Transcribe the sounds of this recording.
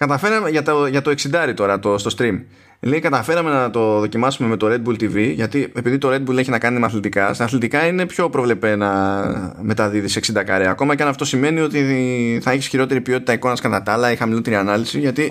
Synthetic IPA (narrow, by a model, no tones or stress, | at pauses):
kɐt̪ɐfe̞ɾɐme̞ʝɐt̪oʝɐt̪o̞e̞ksid̪ɐɾit̪o̞ɾɐt̪ost̪o̞st̪ɾim | lejkɐt̪ɐfe̞ɾɐme̞nɐt̪o̞ðo̞cimɐsume̞me̞t̪o̞ɾe̞d̪̚bult̪iviʝɐt̪ie̞piðit̪o̞ɾe̞d̪̚bule̞çinɐkɐnimɐθlit̪ikɐst̪ɐθlit̪ikɐine̞pço̞pɾo̞vle̞pe̞nɐ | me̞t̪ɐðiðise̞ksind̪ɐkɐ̰ɾeɐko̞mɐceɐnɐft̪osime̞nio̞t̪iθɐeçisçiɾo̞t̪e̞ɾipio̞t̪it̪ɐiko̞nɐskɐt̪ɐt̪ɐlɐixɐmilo̞t̪e̞ɾiɐnɐlisiʝɐt̪i